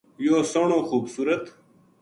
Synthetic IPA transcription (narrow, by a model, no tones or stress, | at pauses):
joːsoɳõːxuːbsuːɾɐt̪